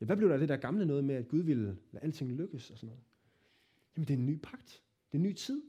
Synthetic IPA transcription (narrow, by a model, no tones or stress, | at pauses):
jæʋæb̥le̝ʊ̥ɑd̥e̝d̥æɐɡ̥ɑ̈mlənɔ̽ːð̞̩ˠmeæd̥̚ɡ̥uð̞ˠʋillæ̰ːæl̰d̥t͡sʰe̝ŋløɡ̥əsɒ̽sɒ̽nɔ̽ːð̩ˠ | jæmənd̥eenːy̰ːpʰɑ̈ɡ̥̚d̥ | d̥e̝nːy̰ːt͡sʰið̞̰ˠ